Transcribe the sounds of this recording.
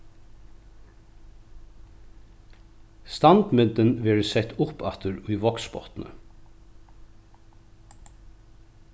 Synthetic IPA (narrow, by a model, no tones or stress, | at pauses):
st̪ɑnd̪mʏd̪ənʋeːɹəsɛt̪ʊpɑt̪ʰəɾʉːʋɔksbɔ̰t̪n̩ʔə̰